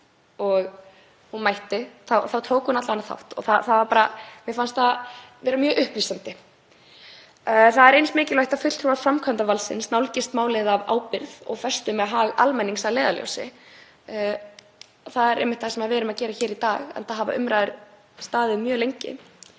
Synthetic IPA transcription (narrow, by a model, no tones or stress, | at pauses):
ɔɣ | hunmajht̪ɪθawθawt̪ʰoːwkunat̪lavanaθa̰wht̪ɔ̰θaθavaɾpaːɾamjɛfanst̪avɛːɾamjœːʔʏhplisant̪ɪ | θaðɛɾejnsmɪːcɪlajht̪afʏt̪l̥t̪ʰɾuvḁfɾamkʰant̪avalsɪ̰nsnawlcɪst̪maːwlɪðava̰ːwpɪɾðɔ̰ɣθfɛ̥st̪ʏmɛðaɦaːɣa̰lmɛnːiŋsavleːjðaljo̰wsɪ̰ | θaðɛɾɛ̰jmɪt̪θasɛmaðvɛːɾʏmaðcɛːɾaçɛːɾit̪aːɣɛ̰nt̪aɦaːva̰ʔʏ̰mɾaːðɪɾ | st̪aːðɪmjœːlejɲcɪ̰